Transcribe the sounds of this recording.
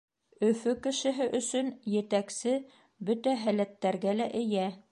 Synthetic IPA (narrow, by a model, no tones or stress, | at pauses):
ɵ̆fɵkɘ̆ʃɘ̆ɦɘʔɵ̆sɵnjɘ̆t̪æksɘ | bɵt̪æɦælæt̪ːæɾɡælæʔɘ̆jæ